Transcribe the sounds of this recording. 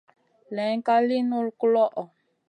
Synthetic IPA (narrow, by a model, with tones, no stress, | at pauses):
lɛ˨˦ŋ˦ka˦li˦nu˦lklɔ˦ʔɔ˨